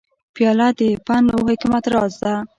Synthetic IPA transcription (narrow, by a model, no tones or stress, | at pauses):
pjɑlad̪əpanowhekumat̪ɾɑzd̪a